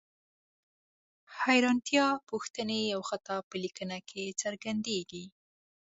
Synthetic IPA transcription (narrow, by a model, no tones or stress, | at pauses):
hajɾɑnt̪jɑpuxt̪ənejawxat̪ɑpəlikənakʰet͡səɾɡand̪eɡi